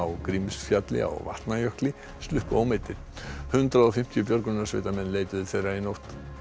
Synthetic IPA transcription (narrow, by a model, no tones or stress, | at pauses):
awkɾimsfjat̪lɪ̰a̰ɣva̰ht̪najœhklɪ | st̪lʏhpaːwmejt̪ːɪɾ̥hʏnt̪ɾaðɔfɪm̥t̪ʰijʏpjœɾkɾʏnasv̥ḛːt̪amɛnːleːjt̪ɪðɪθejrainowht̪